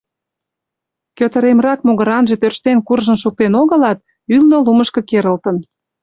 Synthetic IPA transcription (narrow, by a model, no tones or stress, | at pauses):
køt̪ə̆ɾemrɑkmoɣəɾɑnʒe̽t̪ørʃt̪enkurʒəmʃuk̚t̪enoɣə̆lɑt̪̚ | ylnoluməʃkə̆keɾə̆lt̪ə̆n